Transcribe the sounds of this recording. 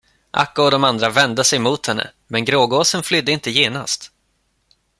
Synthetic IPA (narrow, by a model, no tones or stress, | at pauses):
ʔa̰kːʊɔd̪ɔmand̪ɾavɛnd̪əsɛjmuːt̪hɛnːə̰ | mɛnɡɾoːɡoːsənflʏd̪ːəɪnt̪əjeːna̰st̪